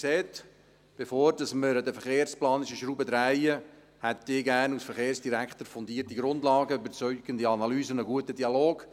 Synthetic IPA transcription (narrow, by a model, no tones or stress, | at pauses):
seːt̪ | b̥efoːɾd̥ɑsməɾdəfəɾχeːɾsplɑːnɪʃəʃɾuːbədɾæɪə | hɛt̪d̥ɪːɡæːnusfəɾχeːɾsd̥iɾækχt̪əɾfɔnd̪iːərtiɡɾʊndlɑːɡəybəɾt͡syʏɡ̥əndiɑnɑlyːzənəɡuətədiɑloːɡ̥